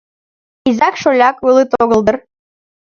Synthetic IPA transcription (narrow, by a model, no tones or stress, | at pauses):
izɑkʃolʲɑkulˠɨt̪oɣə̆lˠd̪ər